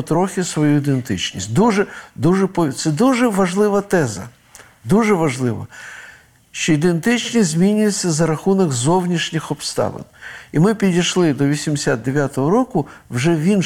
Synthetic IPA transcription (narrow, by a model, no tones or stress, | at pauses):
t̪ɾɔxʲɪsʋɔjuid̪ent̪ɪ̰t͡ʃnʲḭsʲt̚ʲd̪uʒɛd̪uʒɛpɔt̪sɛd̪uʒɛʋɐʒlˠɪʋɐt̪ɛzɐ̰ | d̪uʒɛʋɐʒlˠɪʋɐ̰ | ʃt͡ʃɔid̪ent̪ɪt͡ʃnʲizʲmʲinʲʊjesʲːɐzɐɾɐxunɔɡzɔwnʲiʃnʲɪxɔpst̪ɑ̰ʋɪ̰nimɪpʲidʲijʃlˠɪd̪ɔʋʲisʲimd̪ɪsʲad̪̚d̪eʋʲjat̪ɔɦɔɾɔkʊwʒɛʋʲin